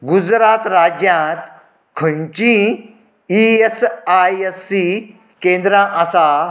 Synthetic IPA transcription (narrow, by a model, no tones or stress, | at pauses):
ɡud͡zɾat̪ɾad͡ʑjãt̪ | kʰəɳt͡ɕĩ | iesajesːi | kẽnd̪ɾãʔasa